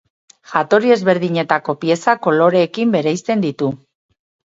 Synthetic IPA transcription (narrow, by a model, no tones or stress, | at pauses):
ʝat̪o̞ɾie̞zβe̞ɾðiɲe̞t̪ako̞pie̞sako̞lo̞ɾe̞ːkimbe̞ɾejst̪e̞nd̪it̪u